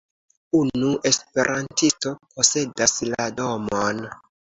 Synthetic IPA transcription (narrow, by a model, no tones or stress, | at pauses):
unuʔe̞spe̞ɾʔantisto̞pʰo̞se̞daslado̞mon